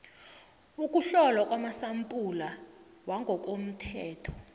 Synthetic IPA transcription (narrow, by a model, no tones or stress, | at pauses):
uk̬ʼuɬɔlwak̬ʼwamasampʼulawaŋɡʱɔk̬ʼom̩tʰɛːtʰɔ̥